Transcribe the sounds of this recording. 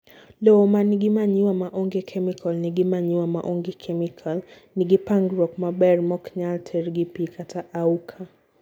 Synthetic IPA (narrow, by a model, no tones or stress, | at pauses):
lɔɔmaniɡimaɲiwamaʔɔŋɡɛkʰɛmikʰalniɡimaɲiwama̰ʔɔŋɡɛkʰɛmikʰal | niɡipaŋɡɾɔkmabɛɾmɔkɲaltʰɛɾɡipikʰatʰaʔaukʰa